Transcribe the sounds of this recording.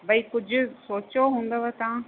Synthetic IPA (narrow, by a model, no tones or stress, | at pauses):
bɐikʊd͡ʑʱʊ̆soːt͡ɕoɦũːnd̪əʋet̪ɐã